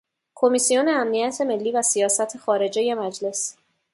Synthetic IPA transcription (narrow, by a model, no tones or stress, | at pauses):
kʰo̞misijo̞neæmnijæt̪ʰe̞me̞lːiːvæsijɒːsæt̪ʰexɒːɾe̞d͡ʒeje̞mæd͡ʒle̞s